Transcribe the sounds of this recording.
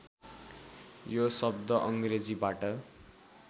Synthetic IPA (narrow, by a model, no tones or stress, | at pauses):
josʌb̚d̪ʱʌʔʌŋɡred͡zibaʈʌ